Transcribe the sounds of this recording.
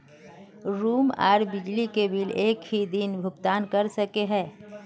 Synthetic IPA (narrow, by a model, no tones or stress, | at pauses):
ɾuːma̰ːɾbɪd͡ʒlikebɪleːkhid̪inbʱʊkt̪aːnkɐɾsəkeɦɛ̃ː